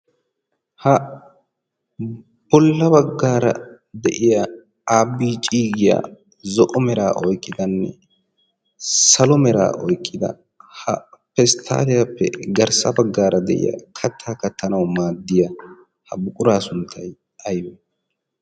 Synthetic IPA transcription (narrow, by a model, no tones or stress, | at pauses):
hɐ | b̥ɔlːɐbɐɡːaːɾɐ̰ | d̪ɛʔɪjɐ | aːbːiːt͡ʃʼiːɡɪja̰ | zɔʔɔmɛɾaːʔɔjkʼːɪd̪ɐnːɛ̰ | sɐlɔmɛɾa̰ːʔɔjkʼːɪd̪ɐ̰ | hɐpɛst̪ʰa̰ːlɪjapːɛ̰ɡɐɾsɐbɐɡːaːɾɐd̪ɛʔɪ̰jɐ̰kʰɐt̪ʰːaːkɐt̪ʰːɐnɐwmaːd̪ːɪjɐ | hɐbʊkʼʊɾaːsʊnt̪ʰːɐj | ɐjɔ